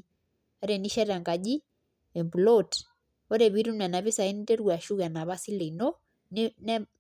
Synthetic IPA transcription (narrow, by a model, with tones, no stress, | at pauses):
a˦ɾɛ˨ni˦ʃa˦ɾa˨ŋɡa˨ʄi˦ | ɛ˨mbu˨lɔt | ɔ˦ɾɛ˨βi˦ɾu˦nɛ˨na˨βi˦sa˨i˦ni˦tɛ˦ɾwa˨ʃu˦ɣa˨na˨βa˦si˦le˨nɔ˦ | nnɛ˦